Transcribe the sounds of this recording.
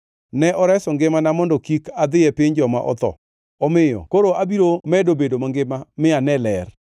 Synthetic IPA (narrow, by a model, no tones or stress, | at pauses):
nɛʔɔɾɛsɔŋɡɪmanamɔndɔkikad̪ɪɛpɪɲd͡ʒɔma̰ʔɔ̰t̪ɔ̰ | ɔmɪjɔ̰koɾoʔabiɾomɛdobedomaŋɡɪmamɪanɛlɛr